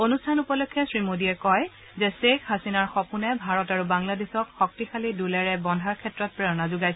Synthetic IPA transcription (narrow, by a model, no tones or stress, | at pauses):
onustʰanupɔlokʰːjɔsɹimodiɛkɔj | zɛsekhasinaɹxɔpunɛbʱaɹɔtaɹubaŋladesɔkxɔk̚tixʰalidulɛɹɛbɔndʱaɹkʰɛtɹɔt̚pɹɛɹɔnazʊɡajsɛ